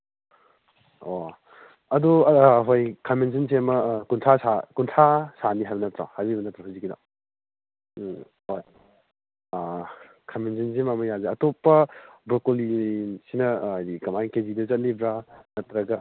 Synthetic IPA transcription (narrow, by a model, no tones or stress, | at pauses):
o | ɐduɦojkʰamensins̬emɐkuntʰasakuntʰasaniɦajbɐnɐtɾa̰hajbibɐnɐtɾahuzikida̰ | oj | kʰamens̬ins̬emamɐjazeɐtopːɐbɾokolisinɐajdikɐmajnkezidɐzɐt̚libɾanɐt̪ɾɐɡɐ